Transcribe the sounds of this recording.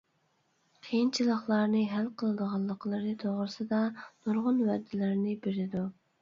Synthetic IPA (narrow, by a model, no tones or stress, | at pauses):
qʰejint͡ʃʰilˠəχlˠɑɾnɨɦælqʰəlˠɨd̪əʁɑlˠːəqʰəlˠɨɾɨt̪ʰoʁɾɨsɨd̪ɑnuɾʁʊnwɛd̪ːɪlɪɾnɪbeɾɪd̪u